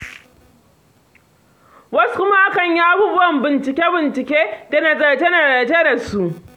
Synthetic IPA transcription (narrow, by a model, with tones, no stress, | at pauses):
wɐ˦su̥˦kʷʊ˦ma˦ʔa˦kɐ˨ɲji˦ʔa˦buː˦bʊ˦wɐ˨mbɪ˨nt͡ʃɪ˨kʲeː˦bɪ˨nt͡ʃɪ˨kʲeː˦da˨na˨za˨d͡ʒe˦na˨zaː˨d͡ʒe˦da˨su˦ʔ